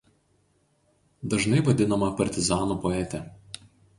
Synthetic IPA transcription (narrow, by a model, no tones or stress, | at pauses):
d̪ɐʒnɐɪʋɐd̪ʲɪnɐmɐpɐɾʲt̪ʲɪzɑːnupɔɛt̪ʲɛ